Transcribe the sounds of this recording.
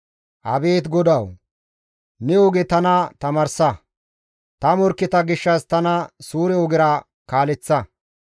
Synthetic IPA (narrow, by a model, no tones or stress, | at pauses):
ʔɐbe̞ːt̪ɡɔd̪ɐw | nɛɔɡɛt̪ɐnɐt̪ɐmɐɾsɐ | t̪ɐmɔɾkːɪt̪ɐɡɪʃːɐst̪ɐnɐsuːɾɛɔɡɪɾɐ | kaːlɛt͡sːɐ